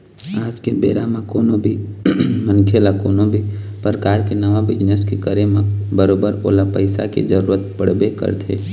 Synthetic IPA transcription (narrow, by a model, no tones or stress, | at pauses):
aːd͡ʒkebḛːɾamãkoːnobʱimənkʰelakoːnobʱi | pɾəkaːɾkenɐʋabɪd͡ʒneskekəɾemẽbəɾoːbəɾoːlapəɪsa̰kḛd͡ʒəɾuːɾət̪pəɽ̤bekə̰ɾt̪ʰeː